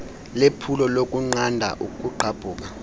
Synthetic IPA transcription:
lepʰulɔlok̬ʼuŋ͡ǀandʱa̰ʔukʼuǃʰab̥ʱuːk̬ʼa

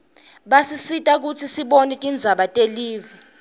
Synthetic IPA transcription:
ɓasisitʼak̬ut͡sʰisiɓonitʼind͡zʱaɓatʼeliːvi

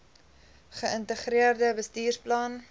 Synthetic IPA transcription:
χəəntəχriərdəbəstiːrplɑn

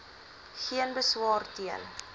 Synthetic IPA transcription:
χiənbəswɑːrtiən

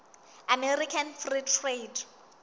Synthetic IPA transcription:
amɛrikʰanfritʰrejd

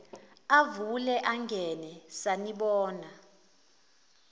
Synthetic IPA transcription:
avulɛʔaŋɡʱɛnɛsaniɓɔːna

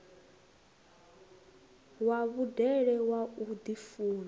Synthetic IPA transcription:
waβudɛɺɛwaud̪ifuːɺa

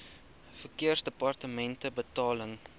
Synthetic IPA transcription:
fərkiərsdəpɐrtəmɛntəbətɑːləŋ

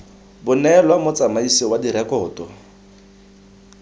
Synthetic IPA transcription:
bʊnɛlwamʊt͡sʼamaisiwadiɾɛkʼɔːtʼɔ

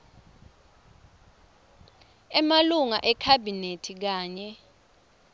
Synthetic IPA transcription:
ɛmaluŋa̰ʔɛkʰabinetʰik̬aːɲɛ

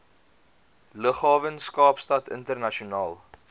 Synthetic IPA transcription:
ləχɑːvənskɑːpstɐtʰə̰ntərnɐʃiunɑːlˠ

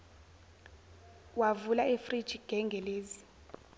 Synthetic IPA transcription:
wavulaefrid̥t͡ʃiɡ̥ʱɛŋɡʱɛleːzi

